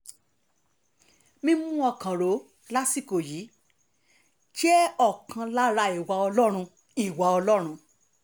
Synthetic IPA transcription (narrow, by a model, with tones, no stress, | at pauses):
mĩ˧mũ˦ɔ˧˨kã˨ɾo˨˦ | la˦si˦ko˨ji˨˦ | ʃɛ˦ɔ˦˨kã˧la˦ɾa˧i˨wa˨ɔ˧lɔ˦ɾ̃ũ˧ | i˨wa˨ɔ˧lɔ˦ɾ̃ũ˧